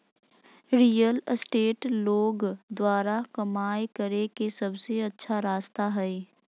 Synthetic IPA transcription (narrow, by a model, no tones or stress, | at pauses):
ɾiːjəlsʈeːʈloːɡd̪waːɾakɐmaːekəɾekesɐbseɐtːʃʰaɾaːst̪aɦɛe